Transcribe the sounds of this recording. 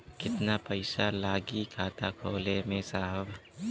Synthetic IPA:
kɪt̪napɐɪsalaːɡikʰaːt̪akʰoːlemẽsaːɦəbʱ

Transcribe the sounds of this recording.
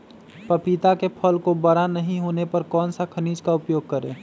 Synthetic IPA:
pəpit̪akepʰəlkobəɾanəɦĩɦoːnepɐɾkɔːnsakʰəniːd͡ʒkaʊpjoːɡ̚kəɾḛ̃ː

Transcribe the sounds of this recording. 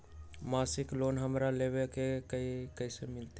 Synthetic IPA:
masiklonɦəmɾaleβekekəikəɪsemɪlt̪

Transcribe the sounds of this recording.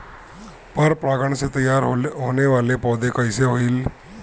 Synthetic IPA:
pəɾpɾaɡəɳset̪əjaɾɦoneʋalepɔd̪ekajseɦoiːl

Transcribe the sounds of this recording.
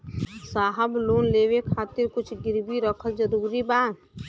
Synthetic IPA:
saːɦəbloːnleːwekʰaːt̪ɪɾkʊt͡ʃʰɡɪɾbiɾəkʰəld͡ʒəɾuːɾibaːn

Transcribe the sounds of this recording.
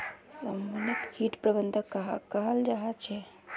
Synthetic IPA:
səmːanit̪kʰiʈpɾəbənd̪ʱəkːəɦakəɦəld͡ʒaɦat͡ʃʰɛ

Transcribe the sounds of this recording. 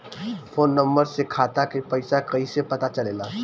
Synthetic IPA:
foːnːɐ̃mbəɾsekʰaːt̪akepɐɪsakɐisepɐt̪at͡ʃɐleːlaː

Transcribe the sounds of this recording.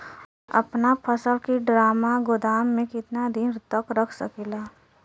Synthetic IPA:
ɐ̰pnapʰəsəlkiɖɾaːmaɡʊd̪aːmːẽkɪt̪nad̪ɪnɾt̪əkɾəkʰsəkiːlaː

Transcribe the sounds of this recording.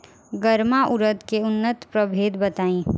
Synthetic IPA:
ɡəɾmaʔʊɾət̪keʊnːət̪pɾəbʱeːd̪bɐt̪aːĩː

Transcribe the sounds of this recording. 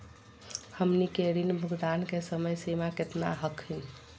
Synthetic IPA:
həmnikeɾinbʱukd̪ankesəməjsemaket̪na̰ɦəkʰin

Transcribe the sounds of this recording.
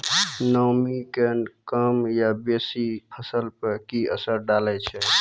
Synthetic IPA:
nəmikenkəmjabesipʰəsəlpəɾkiə̰səɾɖalɛt͡ʃʰɛ

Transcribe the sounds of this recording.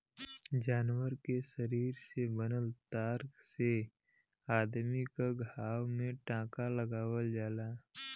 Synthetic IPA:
d͡ʒaːnwəɾkesəɾiːɾsebənəlt̪aːɾkse | aːd̪mikaɡʱaːwmẽʈãːkaləɡaːwəld͡ʒaːlaː

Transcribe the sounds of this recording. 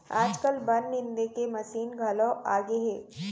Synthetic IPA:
aːd͡ʒkəlbɐnːɪ̃nd̪ekemɐsiːnɡʱɐloaːɡeɦeː

